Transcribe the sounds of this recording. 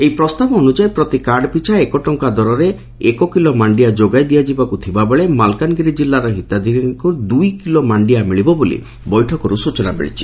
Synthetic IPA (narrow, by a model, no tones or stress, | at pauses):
eipɾɔst̪abɔːnud͡ʒaepɾɔt̪ikaɾɖɔpit͡ʃʰaekɔʈɔŋkad̪ɔɾɔɾe | ekɔkilɔmaɳɖijad͡ʒoɡajd̪ijad͡ʒibakut̪ʰibabeɭemalkanɡiɾid͡ʒilːaɾɔɦit̪ad̪iɾinkud̪ujkilomaɳɖijamiɭibɔbolḭ | bɔjʈʰɔkɔɾusut͡ʃɔna̰bḛɭḭt͡ʃʰi̥